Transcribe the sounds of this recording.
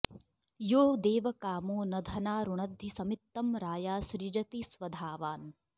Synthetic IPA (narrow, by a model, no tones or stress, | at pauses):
joːd̪eːʋɐkaːmoːnɐd̪ʱɐnaːɾuɳɐd̪ʱːisɐmit̪ːɐmɾaːjaːsɾid͡ʒɐt̪isʋɐd̪ʱaːʋaːn